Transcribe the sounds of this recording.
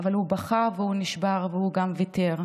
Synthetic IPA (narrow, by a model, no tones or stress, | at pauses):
avalubaχavehuniʃbaʁvehuɡamviteʁ